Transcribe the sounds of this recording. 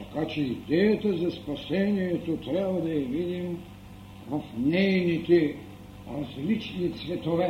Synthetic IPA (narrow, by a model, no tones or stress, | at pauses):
t̪akat͡ʃɛid̪ɛjɐt̪ɐzɐspɐsɛnijɛt̪ot̪ɾabɐd̪ɐjɐvid̪im | vɐfnɛjnit̪ɛ | ɾɐzlit͡ʃnit̪svɛt̪ovɛ